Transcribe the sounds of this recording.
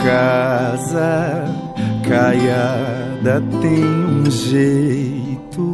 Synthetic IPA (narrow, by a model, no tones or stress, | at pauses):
kazɐ | kajad̪ɐt̪ẽj̃ũʒejjt̪u